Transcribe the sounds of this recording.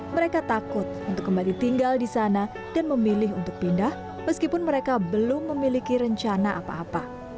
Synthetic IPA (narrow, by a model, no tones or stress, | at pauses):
məɾekat̪akʊt̪̚unt̪ʊkːəmbalit̪iŋɡaldisana | d̥anməmilɪɦunt̪ʊk̚pindah | məskipʊnməɾekabəlʊmːəmilikiɾəɲt͡ʃanaʔa̰pa̰ːpa